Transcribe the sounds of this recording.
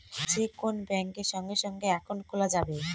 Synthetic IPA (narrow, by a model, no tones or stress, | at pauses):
d͡ʑekonbɛŋkeɾʃɔŋɡeʃɔŋɡeɛkʰonkʰolad͡ʑabe